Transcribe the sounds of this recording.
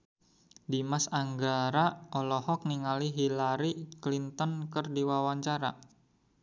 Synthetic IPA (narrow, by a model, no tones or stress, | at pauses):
dimasaŋɡaɾaʔɔlɔhɔk̚niŋaliɦilaɾiklint̪ɔnkərdiwawaɲt͡ʃaɾa̰